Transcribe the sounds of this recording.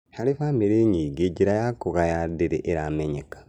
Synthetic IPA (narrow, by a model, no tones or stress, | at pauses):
halifameɾeɲiɡeɟiɾajakuɣajadeɾḛʔeɾameɲekḁ